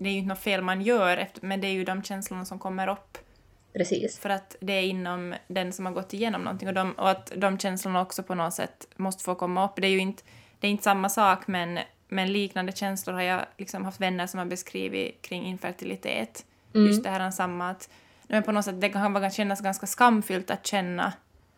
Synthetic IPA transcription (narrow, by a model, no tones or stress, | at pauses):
d̪ɛɾjʏɪnənɔt̪feːlmanjœːɾɛ̰ft̪mɛnd̪ɛːɾjɵd̪ɔmɕɛnslʊɳasɔmkʰɔmːəɾɔpː | pʰɾɛsḭːsfœɾat̪d̪ɛːɾɪnːɔmd̪ɛnsɔmhaɾɡɔt̪ːɪjeːnɔ̰mnɔ̰nt̪ʰːɪŋɔd̪ɔmɔ̰at̪d̪ɔmɕɛnslʊɳaɔksɔpʰɔnɔsɛ̰t̪ːmɔst̪ə̥foːkʰɔmːaɔpːd̪ɛːɾjɵɪnt̪d̪̥ɛːɾɪnt̪əsamːasɑːkmɛn | mɛnliːknand̪əɕɛnslʊɾhaɾjɑ̰lɪksɔmhaft̪vɛnːəɾʂɔmhaɾbɛskɾḭːvɪ̰kʰɾɪŋːɪnfæɾʈ̪ɪlɪt̪ʰḛːt̪ | jɵst̪d̪ɛhæːɾansamːat̪ | ɛmɛnpʰɔnɔt̪sɛt̪̚ːd̪ɛkakanvɑːɕɛnːasɡanskaskamːfʏlt̪a̰t̪ɕɛnːa̰